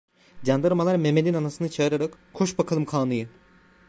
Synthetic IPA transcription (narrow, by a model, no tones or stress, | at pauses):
d͡ʒand̪ɯɾmalˠaɾmemed̪inanasɯnɯt͡ʃʰaɯɾaɾakkʰːoʃbakʰalˠɯmkʰaːnɯjɯ